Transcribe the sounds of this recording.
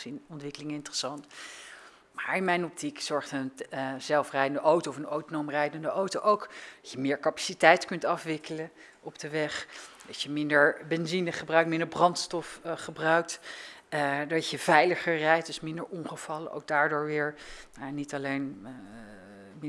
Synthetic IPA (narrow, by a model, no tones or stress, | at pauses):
sinɔntʋɪkəlɪŋəɪntərəsɑnt | maːɹɪnmɛjnɔp̚tikz̥ɔɹχtənz̥ɛlˠfrɛjdəndəʔowtowɔfənowtonowmrɛjdəndəʔowtowʔowkd̥ɑcəmɪːɹkɑpḁsitɛjtkɵntɑfʋɪkələ | ɔbdəʋɛχdɑtjəmɪndəɹbɛnzinəχəbrœɥk̚tmɪ̃ndəɹbrɑntstɔfχəbrœɥk̚t | dɑcəv̥ɛjləχəɹrɛjt̚dʏsmɪndəɹʔɔnχəv̥ɑlə̰ʔo̰wk̚daːɹdʊːɹʋɪːɹnanitɑlejn